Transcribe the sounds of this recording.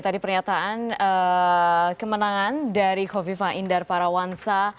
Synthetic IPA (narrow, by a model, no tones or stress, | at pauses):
t̪adipərɲat̪aʔanə | kəmənaŋandaɾihovifaʔindarpaɾawansa